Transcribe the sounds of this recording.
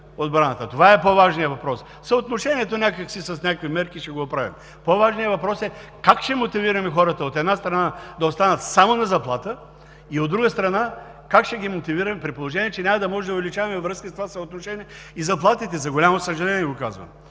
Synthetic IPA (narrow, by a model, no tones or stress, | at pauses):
od̪bɾanət̪ət̪ovaɛpovaʒnijəvɐpɾɔs | sɐot̪noʃɛnʲiɛt̪onʲakəksisɐsnʲakəkvimɛɾkiʃɛɡoopɾavḭm | povaʒnijəvɐpɾɔsɛkakʃɛmot̪iviɾɐmɛxɔɾət̪əot̪ɛd̪nast̪ɾɐnad̪ɐost̪anət̪samonɐzɐplˠat̪ə | iod̪ːɾuɡəst̪ɾɐna | kakʃɛɡimot̪iviɾɐmɛpɾipolˠoʒɛnʲiɛt͡ʃɛnʲamɐd̪ɐmɔʒɛd̪oʊvɛlit͡ʃavɐmɛvɾɤskəst̪ovasɐot̪noʃɛniɛ | izɐplˠat̪it̪ɛzɐɡolʲamosəʒɛlɛnʲiɛɡokazvə̰m